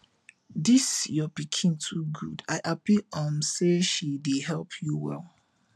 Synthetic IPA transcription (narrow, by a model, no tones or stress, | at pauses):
disjɔbikʰĩntʰuɡṵdaɪʔapiʔɔ̃mseʃideɦɛlˠpʰjuwɛ̰lˠ